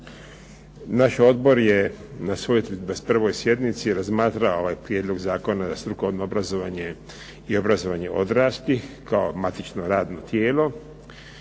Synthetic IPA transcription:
naʃo̞d̪bo̞ɾjenasʋojet̪b̪aspr̩ʋo̞jsje̞d̪nit̪siɾazmaːt̪ɾaoo̞ʋaːjpɾjed̪lˠo̞ɡzaːko̞nazast̪ɾukoʋnoobɾazo̞ʋaɲe̞ | io̞bɾazo̞ʋaɲe̞ʔo̞̰d̪ɾaːst̪ikaomat̪it͡ʃno̞ɾaːd̪no̞t̪jeːlo̞

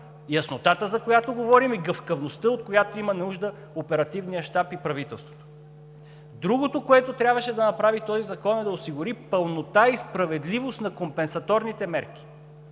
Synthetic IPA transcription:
jɐsnot̪at̪əzɐkojat̪oɡovɔɾimiɡəfkɐvnost̪əot̪̚kojat̪oimɐnuʒd̪ə | opɛɾɐt̪ivnijəʃt̪apipɾɐvit̪ɛlˠst̪vo̥tv̥ | d̪ɾuɡot̪okoɛt̪ot̪ɾʲjabvɐʃɛd̪ɐnɐpɾavit̪ɔzizɐkɔnɛd̪ɐosiɡʊɾipəlˠnot̪aispɾɐvɛd̪livost̪nɐkompɛnsɐt̪ɔɾnit̪ɛmɛɾk̟i̥

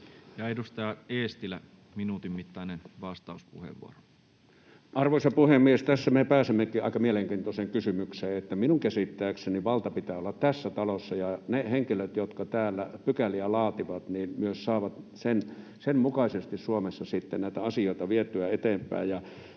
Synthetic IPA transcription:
jɑeˑdust̪ɑːeːst̪ilæ | minut̪immit̪ːɑˑinenʋɑst̪ɑˑuspuhḛʋʋṵoro̥ | ʔɑrʋoˑisɑpuhemːiest̪æsːæmepæːsemːekiʔɑ̰ˑikɑmieleŋkiːnt̪oseŋkysymykseːet̪ːæminuŋkæsit̪ːæːkseniʋɑlt̪ɑpit̪æːolːɑt̪t̪æsːæt̪ɑlosːɑjɑneheŋkiløt̪jot̪kɑt̪æːlːæpykæliælɑːt̪iʋɑt̪niːnmyøssɑːʋɑt̪sen | semmukɑisest̪issuomesːɑsit̪ːennæˑit̪æɑsijoˑit̪ɑʋiet̪ːˑyæet̪eːmpˑæ̰ˑːjjɑ

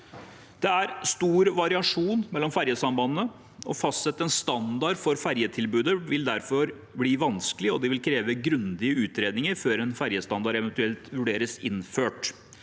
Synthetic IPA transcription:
d̪̥ɛæɾst̪uːɾʋɑɾɪɑʂuːnmɛlːɔmfæɾjəsɑmbɑnənə | ɔfɑst̪sɛt̪ːəɛnst̪ɑnd̪ɑɖfɔɾfæɾjət̪ʰɪlbʉːd̪əʋɪld̪æɾfɔɾ | bliːʋɑnsklɪɔd̪ɛʋɪlkʰɾeːʋəɡɾʉnd̪ɪəʉːt̪ɾeːd̪nɪŋəɾføːɾɛnfæɾjəst̪ɑnd̪ɑɾɛʋɛnt̪ʉɛlt̪ʋʉɖeːɾəsɪnføːʈ

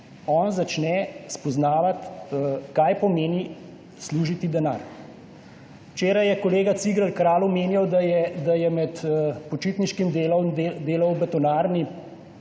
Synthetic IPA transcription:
ɔːnzat͡ʃnɛspɔznaːʋat̪kajpɔmeːni | sluːʒit̪id̪ɛnaːɾ | wt͡ʃeːɾajɛkɔleːɡat̪siɡɾəlkɾaːlumeːnjawd̪ajɛd̪ajɛmɛt̪pɔt͡ʃiːt̪niʃkimd̪eld̪eːlɔwbɛt̪ɔnaːɾni

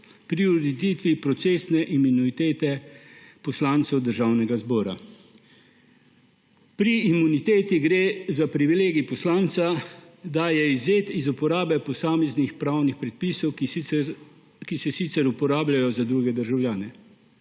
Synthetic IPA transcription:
pɾiud̪it̪iːt̪ʋipɾɔt̪seːsnɛʔiminuit̪eːt̪ɛpɔslaːnt̪sɔwd̪əɾʒawnɛɡazbɔːɾa̰ | pɾiːmunit̪eːt̪iɡɾeːzapɾiʋileːɡipɔslaːnsa | d̪ajɛizjeːt̪izupɔɾaːbɛpɔsaːmɛznixpɾaːwnixpɾɛt̪̚piːsɔwk | kisɛsit̪sɛɾupɔɾaːbljajɔzad̪ɾuɡɛd̪əɾʒawljaːnɛ

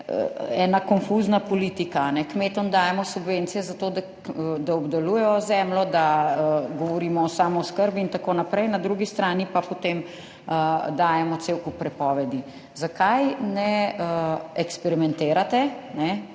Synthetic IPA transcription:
ə̰ɛːnakɔnfuznapɔliːt̪ikaːnɛkmeːt̪ɔmd̪aːjɛmɔsubʋent̪sijɛzat̪oːd̪a | d̪aɔbd̪alujɛjɔzɛːmlɔd̪aɡɔʋɔɾiːmɔːsaːmɔskəɾbiːnt̪akoːnapɾɛjnad̪ɾuɡist̪ɾaːnipapot̪em | əd̪aːjɛmɔt̪seːwkupɾɛpɔːʋɛd̪i | zakajnɛəɛkspɛɾimɛnt̪eːɾat̪ɛnɛ

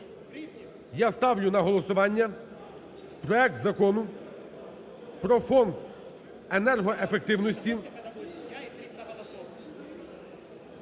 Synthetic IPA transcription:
jast̪ɑwlʲʊnɐɦɔlˠɔsʊʋɑnʲːɐ | pɾɔɛk̚t̪zɐkɔnʊ | pɾɔfɔnd̪ | enɛrɦɔʔefek̚t̪ɪwnɔsʲtʲi

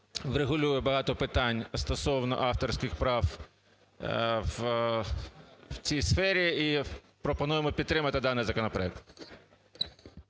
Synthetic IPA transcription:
ʋreɦʊlʲujɛbɐɦɑt̪ɔpɪt̪ɑnʲst̪ɔsɔwnɔ̰ʔɑft̪ɔrsʲkɪxpɾɑw | w | wt͡sʲijsfɛɾʲii | pɾɔpɔnujemɔpʲid̪t̪ːɾɪmɐt̪ɪd̪ɑnɪjzɐkɔnɔpɾɔɛk̚t̪

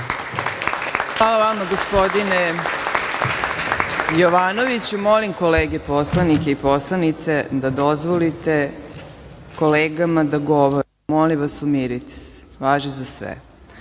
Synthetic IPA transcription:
xʋaːlˠaʋamaɡospo̞d̪ine | joʋaːnoʋit͡ɕumolimkoleːɡe̞po̞slˠanike̞ipo̞slˠanit̪sed̪ad̪o̞zʋolit̪e | ko̞leːɡamad̪aɡoʋoɾ | molimʋasumiɾit̪e̥se̥ʋaːʒizasʋḛ

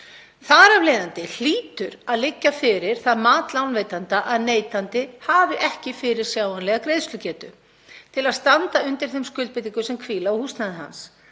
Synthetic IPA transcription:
θaɾavlejðant̪ɪl̥iːt̪ʏɾaðlɪcːafɪɾɪɾ̥θaðmaːt̪lawnveːjt̪ant̪aʔaðneːjt̪ant̪ɪhaːvɪʔɛhcɪfɪɾɪɾ̥sjaːwanlɛɣakɾejðst̪lʏcɛːt̪ʏ | t̪ʰɪlaðst̪ant̪aʏnt̪ɪɾ̥θejmskʏlt̪pɪt̪iŋkʏsɛmkʰviːlaɔhust̪naðɪɦa̰ns

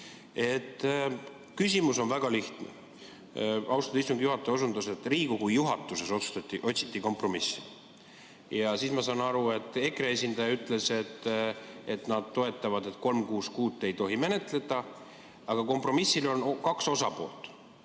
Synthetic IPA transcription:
e̞t̪ˑː | kysʲimuso̞nvæɡ̥ɑliht̪nḛ | ɑuwst̪ɑd̪ɑist̪uŋɡijuɦɑt̪ˑːeosund̪use̞t̪ˑriːɡ̥ukujːuɦɑt̪ːˑuse̞so̞t̪su̥t̪ɑt̪ːiʔo̞t̪ʲsi̥t̪ˑːiko̞mpro̞misː | jɑsiːsmɑsɑːnɑɾue̞t̪ːˑe̞kree̞sʲind̪ɑjɑyt̪ːˑle̞se̞t̪ːe̞t̪nɑd̪̥̚t̪o̞e̞t̪ːˑɑvɑd̪e̞t̪ko̞lmkuːskuːt̪ːˑe̞jt̪o̞ɦime̞ne̞t̪ˑle̞d̪̥ɑ | ɑɡ̥ɑko̞mpro̞misːilo̞nkɑkso̞sɑpo̞̰ːlt̪ːˑ

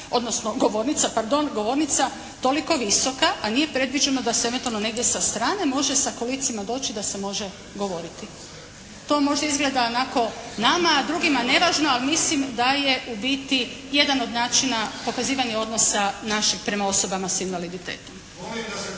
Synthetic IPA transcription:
o̞d̪nosno̞ɡo̞ʋo̞ːɾnit̪sapaɾd̪o̞nɡo̞ʋo̞ɾnit̪sa | t̪o̞liko̞ʋiso̞kaʔanije̞pɾe̞d̪ʋid͡ʒenod̪aseeʋent̪uano̞ne̞ɡd̪je̞sast̪ɾaːne̞mo̞ʒe̞sakolit̪simad̪o̞ːt͡ʃid̪ase̞mo̞ʒe̞ | ɡo̞ʋo̞ɾit̪i | t̪o̞mo̞ʒd̪aizɡle̞d̪aonako̞namaːd̪ɾuɡimane̞ʋaːʒnoalmislimd̪aje̞ʔubit̪ije̞d̪ano̞d̪naːt͡ʃinapo̞kaziːʋaɲeo̞d̪no̞sanaʃixpɾe̞mao̞so̞bamasinʋalid̪it̪e̞̰ːt̪o̞m

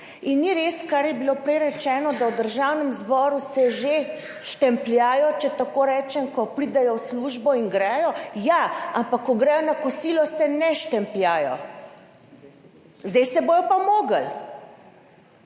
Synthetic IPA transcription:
inːiɾeskaɾjɛbilopɾɛjɾɛt͡ʃɛːnɔd̪awd̪əɾʒawnɛmzbɔːɾusɛʒe | ʃt̪ɛmpljaːjɔt͡ʃɛt̪akoːɾɛːt͡ʃɛmkɔpɾid̪ɛjɔwsluːʒbɔiŋɡɾɛjɔjaampakːɔɡɾɛjɔnakɔsiːlɔsɛnɛʃt̪ɛmpljaːjɔ̰ | zd̪ɛjsɛboːjɔpamoːɡal

